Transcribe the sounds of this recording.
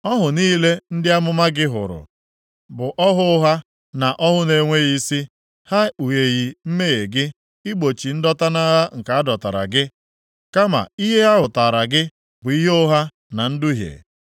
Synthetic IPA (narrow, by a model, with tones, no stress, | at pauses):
ɔ˦ɦʊ˨niː˦le˦n̩˦dɪ˦a˦mʊ˦ma˦ɡɪ˦ɦʊ̰˨ɾʊ̰˨ | bʊ˨ʔɔ˦ɦʊ˦ʊ˦ɦa˦ | na˨ʔɔ˦ɦʊ˦ne˨ŋʷe˦ɣi˦si˦ | ha˦u˨je˨ɣi˨m̩˦me˦e˨ɡɪ˦ | ɪ˦ɡ͡bo˨t͡ʃi˨n̩˦dɔ˦ta˦na˦ɦa˦ŋ̩˨ka˨a˦dɔ˨ta̰˨ɾa̰˨ɡɪ˦ | ka˦ma̰˨i˦ɦe˦a˦ɦʊ˨ta˨ɾa˨ɡɪ˦ | bʊ˨i˦ɦe˦ʊ˦ɦa˦ | na˨n̩˦dʊ˦ɦjḛ˨